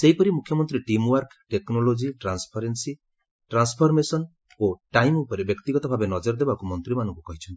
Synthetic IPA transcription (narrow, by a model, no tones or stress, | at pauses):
seɦipɔɾimukʰjɔmɔnt̪ɾiʈimwɔɾkʰʈeknolod͡ʒiʈɾanspʰaɾensi | ʈɾanspʰɔɾmesɔn | oʈajmupɔɾebjɔkt̪iɡɔt̪ɔbʱabenɔd͡ʒɔɾd̪ebakumɔnt̪ɾimanɔ̃ŋkukɔɦit͡ʃʰɔnt̪i̥